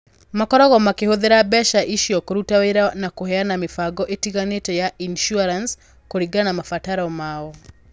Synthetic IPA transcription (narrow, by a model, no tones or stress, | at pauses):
makɔɾɔɣɔmakehoðeɾabɛʃaʔiʃiɔkoɾutaweɾanakoɦɛanamifaɡɔʔetiɣanetɔjaʔinʃuaɾans | koɾiɡanamafataɾɔmaɔ